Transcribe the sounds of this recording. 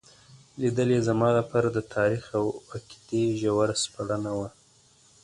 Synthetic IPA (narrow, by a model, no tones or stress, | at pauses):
lid̪əlezamɑlapɑɾad̪ət̪ʰɑɾixawaki̥t̪eʒawaɾaspaɽanawa